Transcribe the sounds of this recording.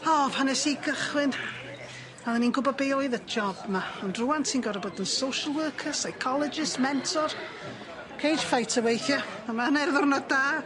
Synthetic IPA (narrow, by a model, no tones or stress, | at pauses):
ɔːpʰanɛsiɡəχwɪn | aðˠɛninɡʊbɔbeɔɨðəd͡ʒɔbmaɔndruantʰiːnɡɔɾəboːdənsowʃəlˠwəːkʰəsajkʰɔlˠɪd͡ʒɪsmɛntʰɔr | kʰejd̥fajtʰəwejθjɔ | əmanɛrðʊrnɔdaː